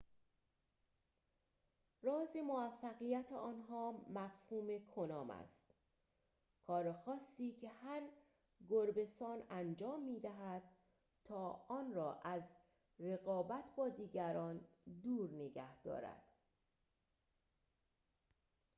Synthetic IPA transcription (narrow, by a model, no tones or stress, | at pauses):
rɒːzemovæfːæɣijæt̪ʰeɒːnɦɒːmæfhuːme̞kʰonɒːmæ̰st̪ | kʰɒːɾexɒːsːiːcʰe̞hæɾ | ɡoɾbe̞st̪ɒːnænd͡ʒɒːmːiːd̪æɦæd̪̥̚ | t̪ʰɒːɒːnrɒːʔæz | re̞ɣɒːbæt̪ʰbɒːd̪iːɟæɾɒːnd̪uːɾneɡæhd̪̥ɒ̰ːɾæ̰d̪̥